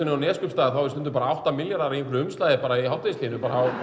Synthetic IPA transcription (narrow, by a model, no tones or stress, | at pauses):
ɪnʏawnɛːskʏpst̪aːðaθawstʏnt̪ʏɾpaːɾaawht̪amɪljaɾaɾiŋkɾʏʏmst̪lajðɪpaːɾaiɦawt̪aisliːnʏpaːɾahaw